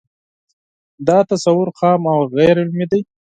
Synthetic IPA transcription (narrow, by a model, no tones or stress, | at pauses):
d̪ɑt̪asawʊɾxɑmawɣajɾɪlmid̪aj